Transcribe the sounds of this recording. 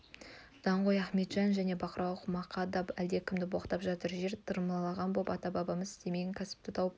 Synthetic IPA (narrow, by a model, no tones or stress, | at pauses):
d̪̥ɑɴʁojæχme̞t̪ʒ̥ɑnʒæne̞bɑqəɾɑwˠəqmɑqʰɑd̪ɑpæld̪e̞kʲʰɪmd̪ɪboqt̪ɑpʒɑt̪əɾʒe̞ɾt̪ʰəɾməlˠɑlˠɑʁɑnbopɑt̪ɑbɑbɑməzɪ̥st̪e̞me̞ɡʲeŋkʲʰæsɪ̥p̚t̪ɪt̪ʰɑwəp̚